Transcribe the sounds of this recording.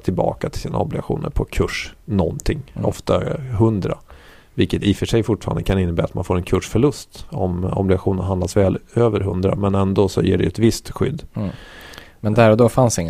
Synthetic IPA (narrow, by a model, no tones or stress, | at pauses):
t̪ʰɪlbɑ̰ːkat̪ʰɪ̥lsiːna̰ɔblɪɡaɧṵːnə̰ɾpʰɔkʰɵʂnɔnt̪ʰɪŋːɔft̪aɦɵnd̪ɾa | vɪlkət̪ɪfœʂɛjfʊʈːfɑ̰ːɾa̰nd̪əkʰanɪnːəbɛːɾa̰t̪manfoːɾɛnkʰɵʂfœɭɵst̪ɔmɔ̰blɪɡaɧuːnənɦand̪lasvɛːløːvəɾɦɵnd̪ɾa̰mɛnɛnd̪oːsɔ̰jḛːɖɛɛt̪vɪst̪ɧʏ̰d̪ː | mɛnd̪æɾɔd̪oːfansɪŋːə